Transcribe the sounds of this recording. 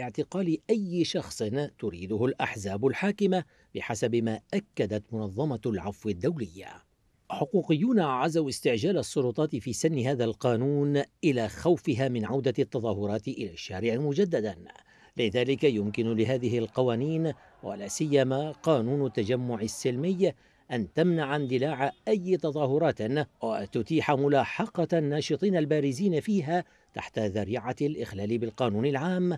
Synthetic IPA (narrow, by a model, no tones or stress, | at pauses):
ɪʕt̪ɪqɑːlɪʔajːʃɑxsˤnt̪ʊɾiːd̪ʊhʊlʔaħzaːbʊlħaːkɪma | bɪħasabmaːʔakːad̪at̪mʊnɑðˤːɑmɑlʕafwɪd̪ːawlɪjːa̰ | ħʊquːqɪjːuːnaʕazawɪst̪ɪʕd͡ʒaːlasˤːʊlʊt̪ˤɑːt̪ɪfiːsanːɪɦaːðalqɑːnuːnʔɪlaːxawfɪɦaːmɪnʕawd̪at̪ːɑðˤɑːɦʊɾˤɑːt̪ɪʔɪlaːʃːaːɾɪʕamʊd͡ʒad̪ːad̪an | lɪðaːlɪkajʊmkɪnʊlɪɦaːðɪɦɪlqɑwaːniːn | wa̰laːsɪjːamaːqɑːnuːnʊt̪ːad͡ʒamːʊʕɪsːɪlmɪj | ʔant̪amnaʕand̪ɪlaːʕaʔajːt̪ɑðˤɑːhʊɾˤɑːt̪wa̰t̪ʊt̪iːħamʊlaːħɑqɑnːɑːʃɨt̪ˤiːnalbaːɾɪziːnafiːɦaː | t̪a̰ħt̪aðaɾiːʕalʔɪxlaːlɪbɪlqɑːnuːnɪlʕaːm